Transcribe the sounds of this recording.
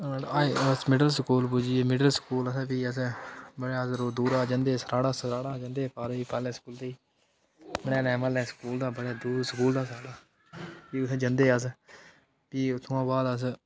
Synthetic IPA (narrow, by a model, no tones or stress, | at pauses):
aːeəsmɪɖəlsəkuːlpʊd͡ʒiːeːmɪɖəlsə̥kuːləspiːəsbəɽaːsɾoːd̪uːɾaːd͡ʒənd̪eːsɾaːɽaːsɾaːɽaːd͡ʒə̃nd̪eːpaːɾeːiːpɛːlẽːskuːlt̪eiː | məɽɛ̃ːlɛ̃ːməlɛ̃ːsə̥kuːld̪aːbəɽaːd̪uːɾskuːld̪aːsaːɽaː | piːʊt̪ʰːd͡ʒənd̪eːəs̬ | piːʊt̪ʰːʊãːbaːd̪əs̬